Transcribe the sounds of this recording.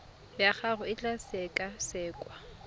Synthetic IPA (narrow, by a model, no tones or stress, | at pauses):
lɪaχarʊɪt͡ɬʼasɛkʼasɛːkʼwa